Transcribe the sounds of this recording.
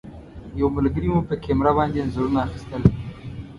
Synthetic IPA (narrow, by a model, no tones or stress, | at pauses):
jawməlɡəɾimupəkemɾabɑnd̪enzəɾunaːxi̥st̪əl